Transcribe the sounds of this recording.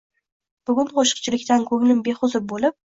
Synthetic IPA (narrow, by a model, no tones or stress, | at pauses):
b̥ʊɡʲʊnqʰoʃɨ̥q̚t͡ʃʰɪlɪkʲt̪ankʰɵblɪmbe̞χʊzɪp̚bolɪp̚